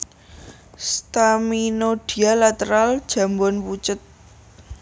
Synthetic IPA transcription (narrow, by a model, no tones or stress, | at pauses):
st̪aminoɖ̥i̤alat̪əɾald̥ʒ̥ä̤mbɔnput͡ʃət̪̚